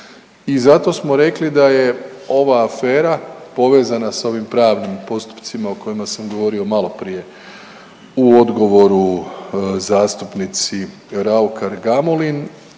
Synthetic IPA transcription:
izat̪o̞smoɾe̞klid̪aje̞o̞ʋaːfe̞ːɾapo̞ʋe̞ːzanasao̞ʋimpɾaːʋnimpo̞st̪u̥pt̪simaoko̞jimasamɡo̞ʋo̞ɾio̞malo̞pɾije̞ | uo̞d̪ɡo̞ʋo̞ɾu | zaːst̪upnit̪si | ɾaukaɾɡamolin

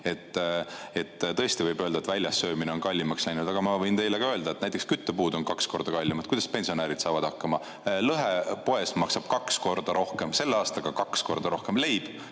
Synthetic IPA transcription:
e̞t̪ːe̞t̪ːt̪ɤ̞est̪ivɤjbø̞ld̪ɑet̪vælʲjɑsːø̞ːmine̞o̞nkɑlʲːimɑkslæjnud̪̥ɑɡ̥ɑmɑvɤjnt̪e̞jlekɑø̞ld̪ɑe̞t̪næjt̪ːˑekskyt̪ːøpuːd̪o̞nkɑksko̞ɾd̪̥ɑkɑlʲːimɑd̪̥kujd̪ɑspe̞nsio̞næːɾid̪̥sɑːvɑd̪̥ɑkːˑɑmɑ | lɤɦe̞po̞e̞smɑksɑb̥̚kɑksko̞rd̪̥ɑɾʔo̞hke̞mse̞lːeɑːst̪ɑɡ̥ɑkɑksko̞rd̪ɑɾo̞hke̞mle̞jb̥

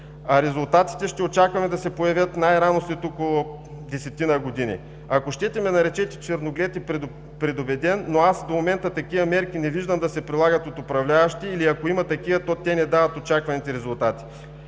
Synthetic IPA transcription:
ɐɾɛzʊlˠt̪at̪i̥t̪ɛʃt̪ɛot͡ʃakvɐmɛd̪ɐsɛpojɐvʲjət̪najɾanost̪it̪okolˠo | d̪ɛsɛt̪inɐɡod̪inḭ | ɐkoʃt̪ɛt̪ɛmɛnɐɾɛt͡ʃɛt̪ɛ̥t͡ʃɛɾnoɡlʲɛt̪ɛpɛ | pɾɛd̪obɛd̪ɛnːoasd̪omomɛnt̪ət̪ɐkivɐmɛɾk̟inɛviʒd̪ɐmd̪ɐsɛpɾilˠaɡɐt̪ot̪opɾɐvlʲavɐʃt̪iːliɐkoimɐt̪ɐkivɐt̪ɔt̪ɛnɛd̪avɐt̪ot͡ʃakvɐnit̪ɛɾɛzʊlˠt̪at̪i̥

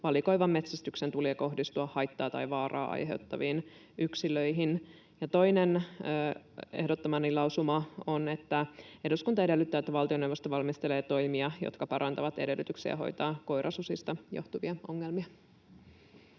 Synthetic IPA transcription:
ʋɑliko̞iʋɑmːe̞t̪sæst̪yksent̪uliːko̞hdist̪uɑhɑjt̪ːɑːt̪ɑ̰jʋɑːrɑ̰ːʔɑ̰jɦe̞̰wt̪ːɑʋiːn | yksiløjɦin | jɑt̪o̞inenː | e̞̰hdot̪ːomɑnːilɑusumɑonet̪ːæeduskunt̪ɑede̞lːyt̪ːæːet̪ːæʋɑlt̪io̞newʋost̪oʋɑlmist̪eleːt̪o̞imiɑjo̰t̪kɑpɑɾʔɑnt̪ɑʋɑt̪e̞̰delːyt̪yksḭj̰ɑɦo̞̰jt̪ɑːko̞jɾʔɑsusist̪ɑjo̰ht̪uʋiɑʔoŋːelmiɑ

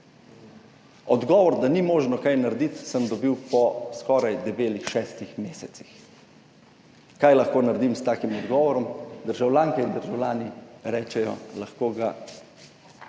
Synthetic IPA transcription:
ɔd̪ɡɔːʋɔɾd̪animoːʒnɔkajnaɾd̪it̪səmd̪ɔbiwpɔskɔːɾajd̪ɛbeːlixʃɛːst̪ixmeːsɛt̪si̥x | kajlaxkoːnaɾd̪imst̪aːkimɔd̪ɡɔːʋɔɾɔmd̪əɾʒawlʲaːŋkɛind̪əɾʒawlʲaːniɾɛːt͡ʃɛjɔ̰laxkoːɡa

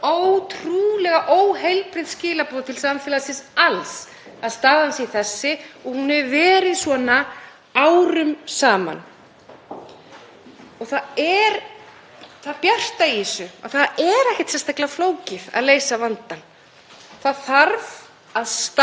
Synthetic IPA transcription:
owt̪ʰɾuːlɛɣaʔoːwhejlpɾɪðscɪːlapɔðt̪ʰɪlsaːamfɪlasɪnsals | aðst̪aːðansɛiθɛsːɪɔɣhunːɛɾvɛːɾɪðsvɔːna | awɾʏmsaːma̰n | ɔɣθaɛɾ | θaðpjar̥t̪aiisʏa̰θaðɛɾɛhcɪ̥t̪sɛnst̪ahklafloːwcɪða̰ðleːjsavant̪an | θaðθaɾv | aðst̪

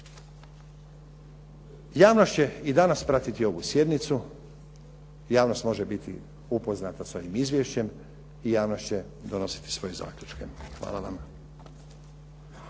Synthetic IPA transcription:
jaːʋno̞ʃt͡ɕeid̪anaspɾat̪it̪io̞ʋusje̞d̪nit̪su | jaːʋno̞st̪mo̞ʒebit̪ʰḭ | upo̞znat̪asoʋimizʋjeʃt͡ɕe̞m | ijaːʋno̞st͡ɕe̞ | d̪o̞no̞si̥t̪i̥sʋo̞jeza̰ːkʎʲut͡ʃkḛxʋa̰ːlˠaʋam

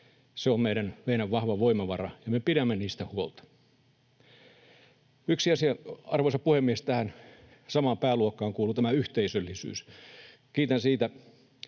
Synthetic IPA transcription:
seommeiɾænʋeinæʋːɑhʋɑʋoimɑʋɑrɑjɑmepiɾæmːeniːst̪æhuolt̪ɑ̥ | yksiɑsiɑɑrʋoisɑpuhemːiest̪æhæn | sɑmɑːmpæːluokːˑɑːŋkuːlut̪æmæyht̪eisølːisy̰ːs | kiːt̪ænsiːt̪æ

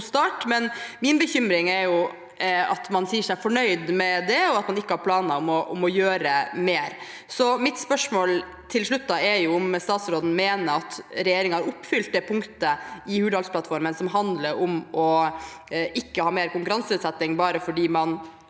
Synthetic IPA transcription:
st̪ɑːʈmɛnmɪnbəçʏmɾɪŋɛɾjʊ | ɑ̰t̪mɑnsiːʂæfɔɳœʏd̪mɛd̪ɛɔɑt̪mɑnɪkːəhɑɾpʰlɑːnɑɔmɔʔʊmɔjøːɾəmeːɾ | sɔmɪt̪spœʂmoːl | t̪ʰɪlʂɭʉt̪ːɑɛɾjʊʊmst̪ɑːt̪sɾoːd̪n̩meːnəɑt̪ɾɛjeːɾɪŋəhɑɾʊpːfʏlt̪̚d̪ɛpʰʊŋkt̪əɪhʉːd̪ʋɑlsplɑt̪fɔɾmənsɔmɦɑnd̪ləɾʊmɔ | ɪkːəhɑːmeːɾkʊŋkʉɾɑnsʉːt̪sɛt̪ːɪŋbɑːɾəfɔɖiːmɑn

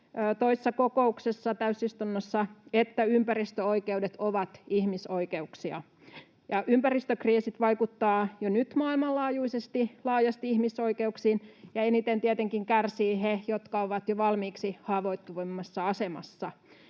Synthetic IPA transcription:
øːt̪oise̥sːɑkokouksesːɑt̪æysist̪unːosːɑet̪ːæympæɾist̪øoikeudet̪oʋɑt̪ihmisoikeuksiɑ̰ | jɑʔympærist̪økriːsit̪ʋɑikut̪ːɑːjonyt̪mɑːilmɑlːɑːjuisest̪ilɑːjɑst̪iihmisoikeuksiːnjɑenit̪ent̪iet̪eŋkiŋkærsiːhejot̪kɑoʋɑt̪joʋɑlmiːksihɑːʋoit̪ːuʋemːɑsːɑɑsemɑ̰sːɑ

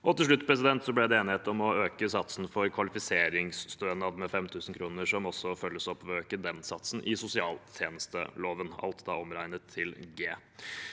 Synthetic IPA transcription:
ʔɔt̪ɪlʂɭʉt̪ːpʰɾɛs̬ɪd̪ɛnt̪sɔblæd̪ɛeːnɪheːt̪ɔmɔøːkəsɑt̪sn̩fɔɾkʰʋɑlɪfɪseːɾɪŋsst̪øːnɑd̪mɛfɛmt̪ʰʉːsn̩kʰɾuːnəʂɔmɔsːɔfœlːəsɔpːʋɔøːkəd̪ɛnsɑt̪sn̩ʔɪsʊsɪɑːlt̪ʰjeːnəst̪ə̰loːʋənɑ̰lt̪d̪ɑːɔmɾæɪnət̪ʰːɪlɡeː

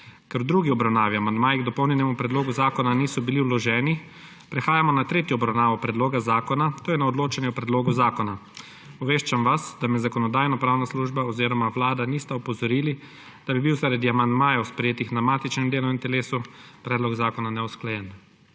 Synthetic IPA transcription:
kɛɾd̪ɾuːɡiɔbɾawnaːʋiamand̪maːjiɡd̪ɔpɔwnʲɛnɛmupɾɛd̪loːɡuzaːkɔnaniːsɔbiliulɔʒɛːni | pɾɛxaːjamɔnat̪ɾeːt̪jɔɔbɾawnaːʋɔpɾɛd̪loːɡazaːkɔnat̪oːjɛnaɔd̪loːt͡ʃanjɛwpɾɛd̪loːɡuzaːkɔna | ɔʋeːʃt͡ʃamʋasd̪amɛzakɔnɔd̪aːjnɔpɾaːwnasluʒbaɔziːɾɔmawlaːd̪anist̪aɔpɔzɔɾiːli | d̪̥abibiwzaɾad̪iamand̪maːjawspɾɛjeːt̪ixnamaːt̪it͡ʃnɛmd̪eːlɔint̪ɛleːsupɾɛːd̪lɔɡzaːkɔnanɛɔsklajɛn

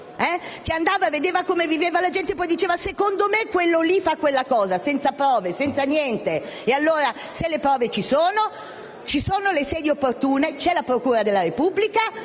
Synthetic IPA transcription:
ɛk̟eand̪aːvaved̪eːvakomeviveːvalad͡ʒɛnt̪epːɔjd̪it͡ʃeːvasekond̪omekːwelːolifakːwelːakɔːzasɛnt̪sapɾɔːvesɛnt̪sanjɛnt̪eealːoːɾa | selːepɾɔːvet͡ʃisoːno | t͡ʃisoːnolesɛːd̪iopːort̪uːnet͡ʃɛlapɾokuːɾad̪elːaɾepubːlika

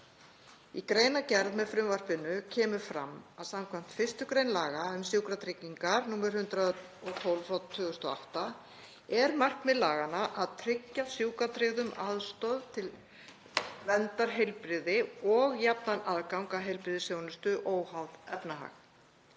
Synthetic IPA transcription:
ikɾeːjnacɛɾðmɛðfɾʏmvar̥pɪnʏcʰɛːmʏfɾa̰mːaðsamkʰvam̥t̪fɪr̥st̪ʏkɾejnlaːɣaʏmsjuwkɾat̪ʰɾɪcːiŋkaɾnuːmɛɾ̥hʏnt̪ɾa | ɔt̪ʰowlvat̪ʰːʏːɣʏst̪ɔ̰a̰ht̪a | ɛɾmar̥kmɛðlaːɣanaʔaðt̪ʰɾɪcːasjuːkat̪ʰɾɪɣðʏmaðst̪ɔðt̪ʰɪl | vɛnt̪aɾ̥ɦejlpɾɪðɪɔɣjapnanaðkawŋkaɦejlpɾɪðɪsjoːwnʏst̪ʏʔoːwhawðɛpnaɦa̰x

